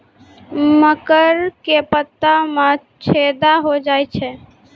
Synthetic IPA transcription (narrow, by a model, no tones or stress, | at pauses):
məkəɾkepət̪ːamã | t͡ʃʰed̪aɦod͡ʒajt͡ʃʰɛ